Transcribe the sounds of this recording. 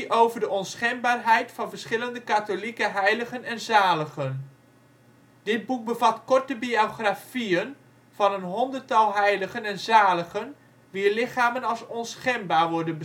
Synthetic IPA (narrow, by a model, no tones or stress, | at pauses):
ʔowvərdəʔɔnsχɛnbaːrɦɛjtfɑnvərsχɪləndəkatolikəɦɛjləɣənɛnzaːləɣən | d̥ɪd̚buk̚bəvatkɔrtəbioχrafiən | vɑnənɦɔndərtɑlˠɦɛjləɣənɛnzaːləχən | ʋiːrlɪχaːmənɑlˠsɔnsχɛnbaːɹʋɔɹdənbə